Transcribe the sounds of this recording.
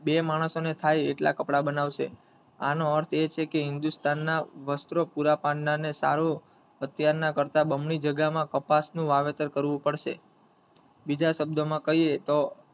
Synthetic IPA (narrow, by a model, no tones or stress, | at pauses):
bemaɽ̃əsonet̪ʰajeʈla̰kəpɽabənaʋʃḛ | a̰noəɾt̪ʰet͡ʃʰekeɦɪnd̪ust̪anːaʋəst̪ɾopuɾapãnːanesa̰ɾo | ət̪jaɾnakəɾt̪abəmɳid͡ʒəɡamãkəpasnũʋaʋet̪əɾkəɾʋũpəɽʃḛ | bid͡ʒaʃəb̚d̪ʱomãkəɦiet̪o